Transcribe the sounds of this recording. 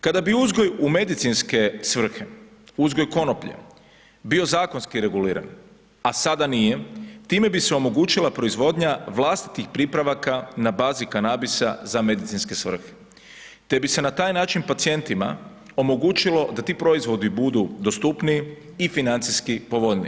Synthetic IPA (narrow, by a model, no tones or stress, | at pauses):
kad̪abiuzɡo̞jume̞d̪it̪sinske̞sʋr̩xeuzɡo̞jko̞no̞pʎḛ | bio̞zaːko̞nskiɾe̞ɡuliːɾa̰n | asad̪anije̞t̪iːme̞biseo̞mo̞ɡuːt͡ʃilˠapɾo̞izʋo̞d̪ɲaʋlˠast̪i̥t̪ixpɾipɾaʋakanabaːzikanabisa̰zame̞d̪it̪sinske̞sʋr̩xe̥ | t̪e̞bise̞nat̪aːjnaːt͡ʃinpat̪sije̞nt̪ima̰ | o̞mo̞ɡuːt͡ʃilˠo̞d̪at̪iːpɾo̞izʋo̞d̪ibud̪ud̪o̞st̪upniː | finant̪siskipo̞ʋo̞ʎnḭ